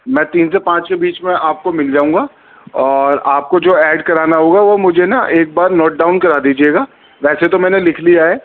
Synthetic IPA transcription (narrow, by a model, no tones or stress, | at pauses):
mɛ̃ːt̪iːnsepãːt͡ʃkebiːt͡ʃmẽʔaːp̚komɪld͡ʒaːũːŋɡaː | ɔːɾaːp̚kod͡ʒoːɛːɖkɐɾaːnaɦoːɡaʋomʊd͡ʒʱenaʔeːk̚baːɾnɔːʈ̚ɖaːʊnkɐɾaːd̪iːd͡ʒieːɡaː | ʋɛːset̪omɛːnelɪkʰliaːeː